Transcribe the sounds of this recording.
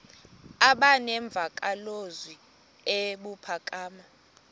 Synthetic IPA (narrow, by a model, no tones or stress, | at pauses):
aɓanɛɱb̪vʱakʼalozwi | eɓupʰakʼaːma